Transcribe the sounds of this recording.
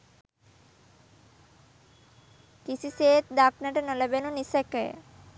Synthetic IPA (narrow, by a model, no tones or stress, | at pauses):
kisʰiset̪̚d̪aknaʈenɔlebenunisekḛ